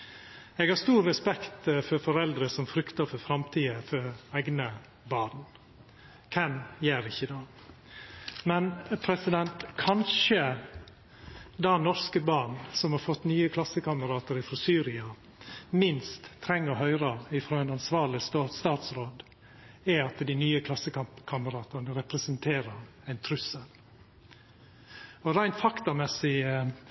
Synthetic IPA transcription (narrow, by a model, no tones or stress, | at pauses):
eːɡhɑɾst̪uːɾːɛspɛkt̪fɔɾfɔɾɛld̪ɾəsɔmfɾʏkt̪ɑɾfɔɾfɾɑmt̪ʰiːəfɔɾæɡnə | bɑːɾn̩ | kʰɛmjeːɾɪçːəd̪ɑ | mɛnpʰɾɛsɪd̪ɛnt̪kʰɑnʃə | d̪ɑnɔɾskəbɑːɳsɔmhɑɾfɔt̪ːnyːəkʰlɑsːəkɑməɾɑːt̪əɾɪfɾɔsyːɾɪɑ | mɪnst̪ʰːɾɛŋːəɾɦœʏɾɑɪfɾoːæɪnɑnsʋɑːɭɪst̪oːɾt̪st̪ɑːt̪sɾoːd̪ | ɛɑt̪d̪ɪnyːəkʰlɑsəkʰɑmpkʰɑməɾɑːt̪ɑnəɾɛpɾɛsənt̪ʰeːɾəɾ | æɪnt̪ʰɾʉsəl | ɔɾæɪnt̪fɑkt̪ɑmɛsɪ